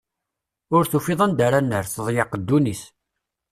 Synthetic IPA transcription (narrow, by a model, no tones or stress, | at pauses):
ʊɾθufiðˤənd̪aɾanːəɾθəðˤjɑqəd̪ːunis